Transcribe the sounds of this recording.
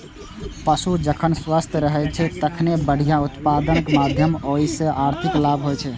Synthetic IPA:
pəsud͡ʒəkʰənswast̪ʰjəɾəɦɛt͡ʃʰɛt̪əkʰnebəɽ̤ijaut̪pad̪ənkemad̪ʱjəmoisẽʔaɾt̪ʰiklabʱɦojt͡ʃʰɛ

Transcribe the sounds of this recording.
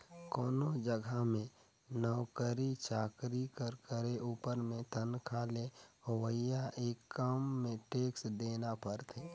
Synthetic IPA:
kɔːnod͡ʒəɡʱamẽ | nɔʊkəɾit͡ʃʰaːkɾikəɾkəɾeʔuːpəɾmẽt̪ʰənkʰaːleɦʊwəjaʔeːkːəmːẽʈeːksd̪eːnapəɾt̪ʰeː

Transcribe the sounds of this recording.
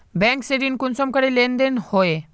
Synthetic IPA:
bɛ̃ŋkseɾinkunsɔmkəɾelend̪enhoe

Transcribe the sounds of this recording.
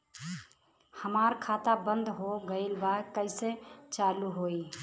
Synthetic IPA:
həmaɾkʰat̪abənd̪ɦoɡəɪlbakəɪset͡ʃaluɦoi

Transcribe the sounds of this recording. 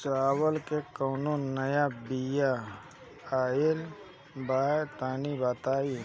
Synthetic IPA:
t͡ʃaːwəlkekəːnonɐjabija | aːjel | baːjt̪aːnibaːt̪aːi

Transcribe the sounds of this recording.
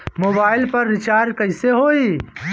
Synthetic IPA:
moːbaːɪlpɐɾːɪt͡ʃaːɾɖkəɪseɦoːi

